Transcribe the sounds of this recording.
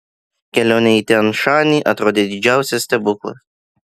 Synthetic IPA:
kʲɛlʲoːnʲɛit̪ʲɛnʃɑːnʲiːʔɐt̪ɾoːd̪ʲeːd̪ʲɪd͡ʒʲæˑʊsʲɛsʲt̪ʲɛbʊklˠɐ̰

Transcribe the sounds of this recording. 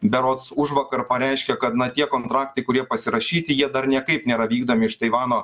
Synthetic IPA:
bʲɛɾoːt̪sʊʒʋɐkɐɾpɐɾʲæɪʃʲkʲɛkɐt̪nɐt̪ʲiɛkɔːnt̪ɾɑːk̚t̪ɐɪkʊɾʲiɛpɐsʲɪɾɐʃʲiːt̪ʲɪjiɛd̪ɐɾnʲiɛkɐɪpnʲeːɾɐʋʲiːɡd̪oːmʲɪɪʃt̪ɐɪʋɑːnoː

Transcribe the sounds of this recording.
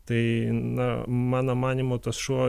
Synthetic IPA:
t̪ɐɪnɐmɑːnomɑːnʲimot̪ɐsʃuɔ

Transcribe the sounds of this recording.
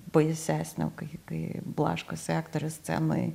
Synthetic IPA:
bɐjsʲæːsʲnʲɛ̰ʊkɐɪkɐɪblˠɑ̰ːʃkosʲækt̪oɾʲʊsʲt͡sʲɛ̰mɐ̰ɪ

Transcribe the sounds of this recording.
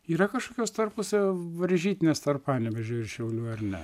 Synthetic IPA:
iːɾɐkɐʃkoːkʲoːst̪ɐrpʊsʲʋɐɾʲʒʲiːt̪ʲɪnʲeːst̪ɐrpɑːnʲɛʋʲɛʒʲoːɪrʃʲɛʊlʲuːɐrnʲɛ̰

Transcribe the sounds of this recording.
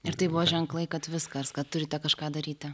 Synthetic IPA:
ɪɾt̪ɐɪbʊʋoʒʲɛŋklˠɐɪkɐt̪ʋʲɪskɐskɐtt̪ːʊɾʲɪt̪ʲɛkɐʃkɑːd̪ɐɾʲiːt̪ʲɛ

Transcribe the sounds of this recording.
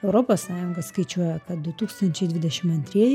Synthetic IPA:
ɛʊɾoːpoːssɑːjʊŋɡɐsskɐɪt͡ʃʲuɔjɛkɐt̪̚d̪ʊt̪uːkst̪ɐnʲt͡ʃʲɛɪd̪ʲʋʲɪd̪ʲɛʃʲɪmɐnʲt̪ʲɾʲiɛjɪ

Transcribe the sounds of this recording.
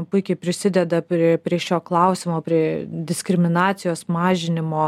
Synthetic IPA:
pʊɪkʲɛɪpʲɾʲɪsʲɪd̪ʲɛd̪ɐpʲɾʲiɛpʲɾʲiɛʃʲoːklˠɐʊsʲɪmoːpʲɾʲiɛd̪ʲɪsʲkɾʲɪmʲɪnɑːt̪sʲɪjoːsmɑːʒʲɪnʲɪmoː

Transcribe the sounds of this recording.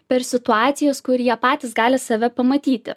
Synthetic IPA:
pʲɛɾsʲɪt̪ʊɑːt̪sʲɪjoːskʊɾʲjiɛpɑːt̪ʲɪsɡɑːlʲɪsɐʋʲɛpɐmɐt̪ʲiːt̪ʲɪ̰

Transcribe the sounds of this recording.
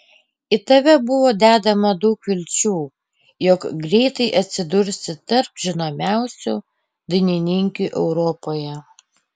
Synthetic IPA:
ɪt̪ɐʋʲɛbʊʋoːd̪ʲæːd̪ɐmɐd̪ɐʊkʋʲɪlʲt͡ʃʲuː | jɔkɡɾʲɛɪt̪ɐɪʔɐt̪ʲsʲɪd̪ʊɾʲsʲɪt̪ɐɾpʒʲɪnoːmʲæˑʊsʲṵ | d̪ɪnʲɪnʲɪŋʲkʲuʔɛʊɾɔpoːjɛ

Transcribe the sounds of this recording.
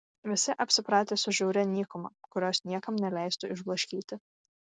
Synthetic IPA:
ʋʲɪsʲɪʔɐpʲsʲɪpɾɑːt̪ʲeːsʊʒʲɛʊɾʲɛnʲiːkʊmɐkʊɾʲoːsnʲiɛkɐmnʲɛlʲæˑɪst̪ʊɪʒblˠɐʃʲkʲiːt̪ʲɪ

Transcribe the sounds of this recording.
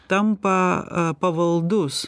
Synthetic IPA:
t̪ɐmpɐpɐʋɐlˠd̪ʊs

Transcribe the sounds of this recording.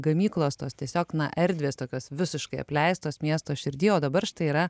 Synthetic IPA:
ɡɐmʲiːklˠoːst̪oːst̪ʲiɛsʲoːknɐʔɛɾʲd̪ʲʋʲeːst̪oːkʲoːsʋʲɪsʲɪʃkɐɪɐ̰pʲlʲɛɪst̪oːsmʲiɛst̪oːʃʲɪɾʲd̪ʲiːoːd̪ɐbɐɾʃʲɪt̪ɐɪiːɾɐ

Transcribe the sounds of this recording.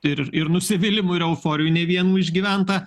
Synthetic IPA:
ɪɾɪɾnʊsʲɪʋʲɪlʲɪmʊɪɾɛʊfoːɾʲɪjunʲɛʋʲiɛnuːɪʒʲɡʲiːʋʲɛnt̪ɐ

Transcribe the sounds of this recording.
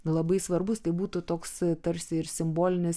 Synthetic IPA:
lˠɐbɐɪsʋɐrbʊst̪ɐɪbuːt̪ʊt̪oːkst̪ɐɾʲsʲɪɪɾsʲɪmboːlʲɪnʲɪs

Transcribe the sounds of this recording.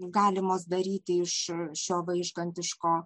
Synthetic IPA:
ɡɑːlʲɪmoːsd̪ɐɾʲiːt̪ʲɪɪʃʃʲoːʋɐɪʒɡɐnʲt̪ʲɪʃkoː

